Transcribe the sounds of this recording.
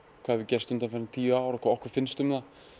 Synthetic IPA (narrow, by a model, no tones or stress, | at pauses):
kʰv̥aðvɪcɛrst̪ʏmt̪anfaɾnɪt̪ʰiːvaːwɾaɔkʰvaːɔkvʏɾ̥fɪnst̪ʏmða